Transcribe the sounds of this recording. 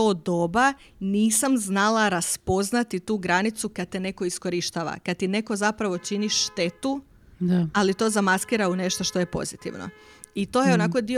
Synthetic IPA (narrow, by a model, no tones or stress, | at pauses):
oːd̪o̞ba | niːsamznalˠaɾaspo̞znat̪it̪uːɡɾanit̪sukad̪̚t̪ene̞ko̞isko̞ɾiʃt̪aːʋa̰kad̪̚t̪ine̞ko̞zapɾaʋo̞t͡ʃiniʃːt̪e̞t̪u | aalit̪o̞zamaskiːɾaune̞ʃt̪o̞ʃt̪o̞je̞po̞̰zit̪ḭʋno̰it̪o̞jeonako̞d̪io